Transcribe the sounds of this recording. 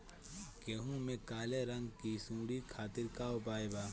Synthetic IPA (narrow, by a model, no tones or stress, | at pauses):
keːɦũmẽkaːleɾɐ̃ŋɡkisũːɽikʰaːt̪ɪɾkaːopaːjbaː